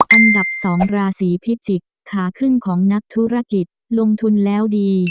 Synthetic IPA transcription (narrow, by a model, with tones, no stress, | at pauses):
ʔa˧nda˨˩p̚sɔː˩˦ŋɾaː˧siː˩˦pʰi˦˥t̪̚t͡ɕi˨˩kʰːaː˩˦kʰɯ˥˩nkʰɔː˩˦ŋna˦˥k̚t̪ʰuː˦˥ɾa˧ki˨˩t̪̚lo˧ŋt̪ʰu˧nlɛː˦˥wdiː˧